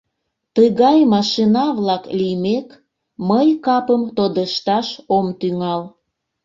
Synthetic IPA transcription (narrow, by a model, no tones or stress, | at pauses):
t̪əɣɑjmɑʃinɑβlɑklimek | məjkɑpəmt̪od̪əʃt̪ɑʃomt̪yŋɑl